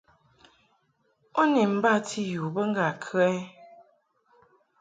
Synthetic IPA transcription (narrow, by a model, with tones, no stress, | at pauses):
ɔ˦ni˨m̩˦ba˦˨tʰi˦ju˨bə˦ŋ̩˦ɡa˨kʰɰɛ˦